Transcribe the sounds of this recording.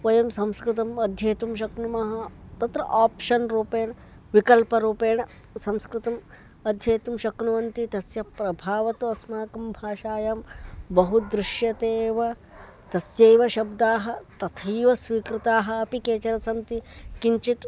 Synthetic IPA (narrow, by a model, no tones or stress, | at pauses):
ʋɐjɐmsɐ̃mskɾɨt̪ɐmɐd̪ʱjɐːt̪umʃɐknumɐɦɐt̪ɐt̪ɾɐ̰ʔaːpʃɐnɾuːpeːɳ | ʋikɐlpɐɾuːpeːɳ | sɐ̃mskɾɨt̪ɐm | ɐd̪ʱjɐːt̪umʃɐknuʋɐnt̪it̪ɐsjɐpɾɐbʱaːʋɐt̪uɐsmaːkɐmbʱaːʃaːjambɐɦud̪ɾɪʃjɐt̪eːʋɐ | t̪ɐsjeːʋɐʃɐbd̪aːɦɐ̆t̪ɐt̪ʰiːʋɐsʋiːkɾɪt̪aːɦɐːpikeːt͡ʃɐɾɐsɐnt̪ikiɲt͡ʃit̪